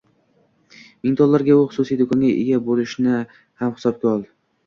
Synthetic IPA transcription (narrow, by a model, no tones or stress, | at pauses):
mɪŋt̪ʰɒlːaɾɡʲaʊχʊ̥susijd̪okʰɒŋɡʲaʔḛɡʲabolɪʃnɪ | hamhɪsɒb̚ɡʲaɒlˠd̪ɪ